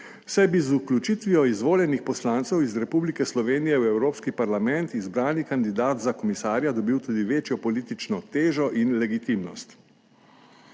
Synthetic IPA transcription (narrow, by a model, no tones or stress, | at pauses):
wsajbizuklʲut͡ʃit̪ʋijɔizʋoːljɛnixpɔslaːnt̪sɛwizɾɛpublikɛslɔʋeːnijɛwɛwɾoːpskipaɾlamɛnt̪izbɾaːnikand̪id̪aːt̪zakɔmisaːɾjad̪ɔbiwt̪uːd̪iʋeːt͡ʃjɔpɔlit̪it͡ʃnɔt̪eːʒɔʔinlɛɡit̪imnɔst̪